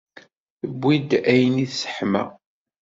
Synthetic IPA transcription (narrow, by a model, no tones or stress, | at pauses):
θəbʷːid̪æjəniθsə̥ħmæ̰